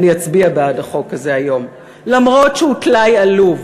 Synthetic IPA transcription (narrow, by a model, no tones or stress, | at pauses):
nijat͡sbiabeadaχo̞kːaze̞ajo̞m | lamʁo̞tʃeutlajaluv